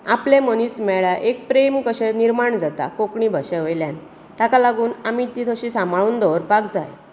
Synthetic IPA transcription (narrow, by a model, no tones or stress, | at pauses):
aplẽməniːsmɛɭaʔek̚pɾemkəɕɛniɾmaɳd͡zat̪a̰kokɳibʱaɕɛʋəjljan | t̪akalaɡuːnamit̪it̪ʰəɕisãmbʱaɭuːnd̪ɔʋɾpakd͡za̰j